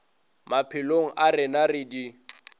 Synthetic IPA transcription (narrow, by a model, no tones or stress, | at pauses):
mapʰɪloŋ̩ʔarɪnarɪdi